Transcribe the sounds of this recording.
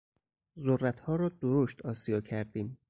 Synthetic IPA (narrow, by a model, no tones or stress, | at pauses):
zorːæt̪ʰhɒːɾɒːd̪̥oɾoʃt̪ɒːsijɒːcʰæɾd̪iːm